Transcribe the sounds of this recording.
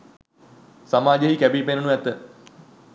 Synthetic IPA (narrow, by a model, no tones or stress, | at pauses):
samaːd͡ʒeɦikæbipenənuɛt̪ə